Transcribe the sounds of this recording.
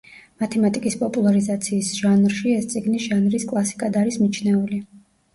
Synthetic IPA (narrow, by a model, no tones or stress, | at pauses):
mat̪ʰɛmat̪ʼikʼispʼɔpʼulˠaɾizat̪sʰiːsʒ̥anɾʃiɛst̪sʼiɡniʒ̥anɾiskʼlˠasi̥kʼad̪aɾismit͡ʃʰnɛuli